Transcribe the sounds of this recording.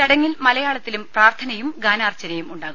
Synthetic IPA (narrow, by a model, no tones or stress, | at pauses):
ɐɽɐŋːilmɐlɐjaːɭɐt̪ːilumpraːrt̪ʰɐnɐjumɡaːnaːrt͡ɕːɐnɐjumuɳɖaːɣum